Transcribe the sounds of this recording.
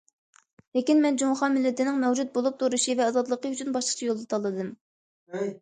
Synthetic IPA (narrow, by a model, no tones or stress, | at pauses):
lekʲinmɛnd͡ʒoŋχɑnmɪlːɪt̪ɪnɪŋmɛwd͡ʒut̪̚bolˠup̚t̪ʰuɾuʃivɛɑzɑd̪lˠəqəyt͡ʃʰynbɑʃləqʰt͡ʃʰɑjolˠd̪ɑt̪ʰɑlˠːɨd̪ɨm